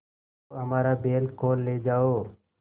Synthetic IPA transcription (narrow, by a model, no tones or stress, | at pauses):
əmaːɾaːbeːlkoːlːeːd͡ʒaːoː